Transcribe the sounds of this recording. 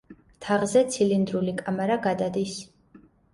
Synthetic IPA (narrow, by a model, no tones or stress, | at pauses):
t̪ʰaʁzɛt̪sʰilind̪ɾulikʼamaɾaɡad̪ad̪is